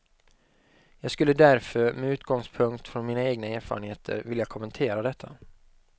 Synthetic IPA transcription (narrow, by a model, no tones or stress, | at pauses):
jɑːɡskɵlːəd̪æɾfœɾmɛʉːt̪ɡɔŋspʰɵŋkt̪fɾɔnmiːnaeːɡnaæːɾfɑ̰ɾənheːt̪ʰə̰ɾvɪljakʰɔmɛnt̪ʰeːɾad̪ɛt̪ʰːa̰